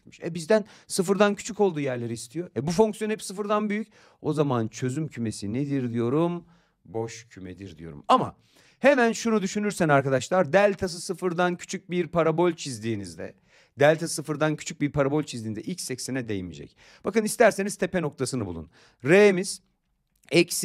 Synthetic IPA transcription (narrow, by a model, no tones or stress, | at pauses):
mi̥ʃɛ̰bizd̪ænsɯfɯɾd̪ancʰy̥t͡ʃʰyko̞lˠd̪uːjæɾlʲe̞ɾiːst̪ʰijoɛbufoŋksjõɛpsɯfɯɾd̪anbyjyc | o̞zamant͡ʃʰø̞zymcʰyme̞sined̪iɾd̪ijo̞ɾum | bo̞ʃcʰymed̪iɾd̪ḭjoɾṵmama̰ | hemænʃunud̪yʃynyɾsænaɾkad̪aʃlˠaɾd̪ælʲt̪ʰas̬ɯsɯfɯɾd̪ancʰy̥t͡ʃʰyc̚biɾpʰaɾabolʲt͡ʃʰizd̪iːnizd̪ɛ̰ | d̪ælʲt̪ʰasɯfɯɾd̪ancʰy̥t͡ʃʰyc̚biɾpʰaɾabolʲt͡ʃʰizd̪iːnd̪ɛʔilʲcsɛcsenɛd̪ejimḭd͡ʒɛ̰c | b̥akɯnist̪ʰæɾse̞niz̥t̪ʰe̞peno̞k̚t̪ʰasɯnɯbulˠṵn | ɾemiz̥ | ɛcs